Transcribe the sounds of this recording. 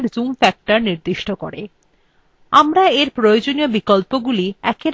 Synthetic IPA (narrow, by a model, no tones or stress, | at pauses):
ɾzumfɛk̚ʈaɾniɾd̪iʃʈoko̰ɾe | amɾaeɾpɾojod͡ʑoniobikolpoɡuliɛkeɾ